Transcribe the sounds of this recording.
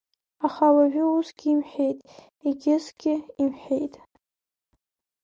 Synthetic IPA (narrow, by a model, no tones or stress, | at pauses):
aχawaʒᶣɪusɡʲimħʷᶣe̞jtʼ | iɡʲɪzɡʲɪimħʷᶣejtʼ